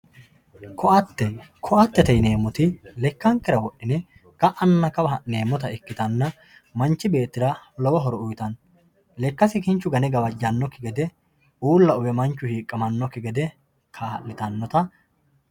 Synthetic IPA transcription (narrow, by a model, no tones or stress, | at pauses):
kʰɔɐt̪ːɛkʰɔʔɐt̪ːɛt̪ɛjneːmːʊt̪ɪlɛkːɐŋkːɪɾɐwɔʔːɪnɛ | kɐʔɐnːɐkɐbɐɦɐʔe̞ːmːɔt̪ɐɛkːɪt̪ɐnːɐ | mɐnt͡ʃːɪbe̞ːt̪ːɪd̪ɐlɔwɐɦɔɾɔʊjt̪ɐn | lɛkːɐsɪkɪnt͡ʃːʊɡɐnɛɡɐbɐd͡ʒːɐnːɔkːɪɡɛd̪ɛ | uːlːɐʊbɛmɐnt͡ʃːʊhiːkʼːɐmɐnːɔkːɪɡɛd̪ɛ | kʰɐhɐ̰ʔnɪt̪ɐnːɔt̪ɐ